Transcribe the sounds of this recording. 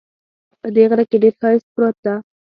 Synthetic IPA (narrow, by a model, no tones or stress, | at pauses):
pəd̪eɣaɾakeɖeɾxɑɪs̚pɾot̪̚d̪a